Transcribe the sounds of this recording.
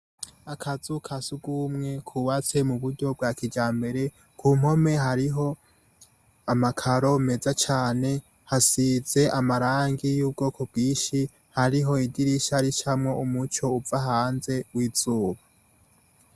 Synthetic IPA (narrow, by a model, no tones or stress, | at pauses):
akʰazukʰasuɡumŋe̞kʰuːβat͡se̞muβuɾɟo̞b̚ɡakid͡ʒaːmbe̞ɾe̞ | kʰuːm̥ho̞me̞ɦaɾiɦo̞ | amakʰaɾo̞me̞zat͡ʃaːne̞ | hasize̞ʔamaɾaːŋɡijuːb̚ɡo̞ːkʰob̚ɡiːʃi | haɾiɦo̞idiɾiʃaɾiʃamŋo̞umut͡ʃo̞uvaɦaːnze̞wiːz̥uːβḁ